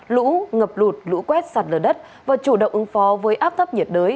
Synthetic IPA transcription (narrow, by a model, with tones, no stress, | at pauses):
lṵ˧˥ŋə˨˩p̚lu˨˩t̚lṵ˧˥kwɛ˦˥t̚saː˨˩t̚ləː˧˩ɗə˦˥t̚ | vaː˨˩t͡ɕu˧˩ɗə̰˧˨wŋ͡mʔɨ˨˦ŋfɔ˨˦vəː˨˦jʔaː˦˥p̚t̪ʰp̚ɲi˨˩ət̚ɗəː˨˦j